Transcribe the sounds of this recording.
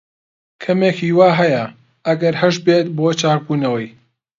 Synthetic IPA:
kʰɐmeːkʰiːwaːɦɐjɐ | ʔɐɡɐɾhɐʃbeːt̪̚boːt͡ʃʰaːk̚buːnɐwɐj

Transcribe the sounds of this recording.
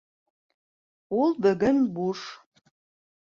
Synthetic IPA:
ulˠd̪ɐɡɐnbuʂ

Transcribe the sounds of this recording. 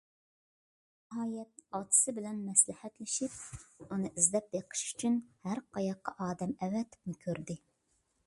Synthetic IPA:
nɪɦɑːjɛt̪̚ɑt̪ʰɨ̥sɨbɪlɛnmɛslɪhɛt̪lɪʃip̚unɨʔizd̪ɛp̚d̪eqʰə̥ʃy̥t͡ʃʰynhæɾqʰɑjɑqːɑʔɑːd̪ɛmɛwɛt̪ʰːɪ̥p̚nɪkʲʰøɾd̪ɪ

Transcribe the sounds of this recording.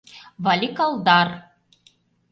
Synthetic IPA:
vɑlʲikɑlˠd̪ɑr

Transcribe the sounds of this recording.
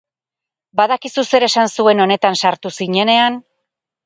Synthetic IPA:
baðakisuse̞ɾe̞sansue̞no̞ne̞t̪ansaɾt̪usiɲe̞ne̞an

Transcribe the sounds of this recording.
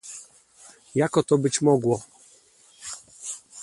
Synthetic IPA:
jakɔt̪ɔbɘt͡ɕmɔɡwɔ

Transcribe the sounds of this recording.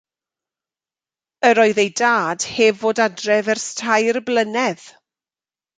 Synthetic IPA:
əɾɔːɨðejdaːd̥heːvoːdadrɛvɛrstʰajrblənɛð̥

